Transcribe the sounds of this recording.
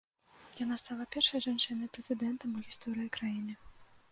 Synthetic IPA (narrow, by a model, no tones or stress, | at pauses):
janast̪alˠɐpʲɛrʂɐjʐant͡ʂɨnɐjpɾɛzɨd̪ɛnt̪ɐmuɣʲist̪ɔɾɨjikɾajinɨ